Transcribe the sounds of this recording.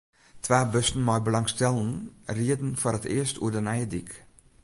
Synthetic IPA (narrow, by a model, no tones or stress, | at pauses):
tʰʋaːbøstn̩mɔjbəlɑŋstɛlˠənriədən̩foːɾətɪ̰ːəstʰṵədənɛjədik